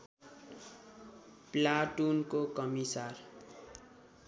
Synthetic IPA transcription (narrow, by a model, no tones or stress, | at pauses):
plaʈunkokʌmisar